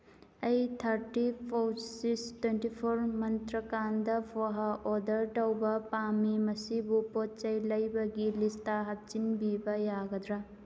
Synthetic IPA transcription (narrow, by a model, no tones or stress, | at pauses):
ɐjt̪ʰɐɾtipʰowsistwentipʰoɾmɐnt̪ɾɐkandɐpʰoɦaʔodɐɾʈɐwbɐpamimɐsibupot̚t͡ʃɐjlɐjbɐɡilistaɦɐt̚t͡ʃinbibɐjaɡɐdɾa